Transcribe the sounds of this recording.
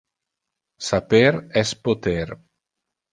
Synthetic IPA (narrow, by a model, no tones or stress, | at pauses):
sapeɾɛspot̪eɾ